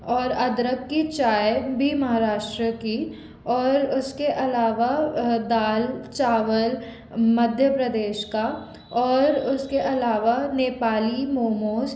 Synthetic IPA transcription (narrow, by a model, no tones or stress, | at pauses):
ɔːɾɐd̪ɾəkːit͡ʃaːjbʱimɐɦaːɾaːʃʈɾəki | ɔːɾʊskeʔɐlaːʋad̪aːlt͡ʃaːʋəl | mɐd̪ʱjəpɾɐd̪eːʃka | ɔːɾʊskeʔɐlaːʋaneːpaːlimoːmoːz